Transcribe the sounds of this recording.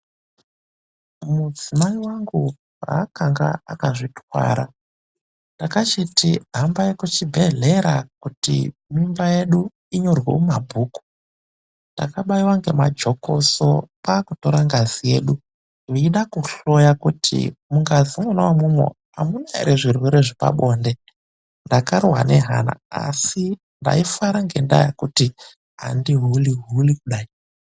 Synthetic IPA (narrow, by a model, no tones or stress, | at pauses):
mud͡zimaiwaŋɡu | ɦa̰kaŋɡa̰a̰kaʐitwa̰ːɾa | ntakat͡ʃitiɦambajekut͡ʃibʱeɮe̞ɾakutḭmimbaje̞ɗu | iɲo̞rwḛmabʱuːku̥ | ntda̰kaɓaiwaŋɡe̞mad͡ʒo̞kʰo̰sopakuto̞ɾaŋɡazije̞ːɗu | iːɗakuɬo̞jakutʰḭmuŋɡazimonawamumwḛ | a̰munaḭɾʔeʐirwe̞ɾeʐipa̰ɓo̞nde̞ | ndakarwane̞ɦana̰a̰si | nda̰ifaɾaŋɡe̞nda̰ja̰kuti | ɦa̰ndiɦuliɦulikuɗaːi